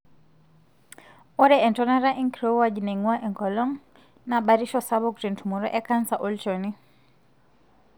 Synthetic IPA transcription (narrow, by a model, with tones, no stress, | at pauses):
ɔ˦ɾɛɛ˨ntɔna˦ɾa˦ʔi˦ŋkɾowad͡ʒne˨ŋwaʔɛ˨ŋkɔlɔ˦ŋ | naɓa˨ɾiʃɔsaβɔkɾe˨ntumɔ˨ɾɔ˦ʔɛ˦ka˦nsa˨ʔo˦lt͡ʃɔni